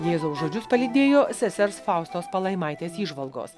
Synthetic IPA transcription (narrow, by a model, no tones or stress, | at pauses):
jeːzoːsʒoːd͡ʒʲʊspɐlʲɪd̪ʲeːjoːsʲɛsʲɛɾsfɑˑʊst̪oːspɐlˠɐɪmɑˑɪt̪ʲeːsiːʒʋɐlˠɡo̰ːs